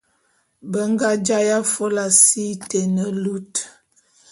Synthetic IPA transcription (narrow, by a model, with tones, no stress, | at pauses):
bə˦ŋɡa˦d͡ʒa˦ja˦fo˦la˨si˦te˨nə˨lu˦t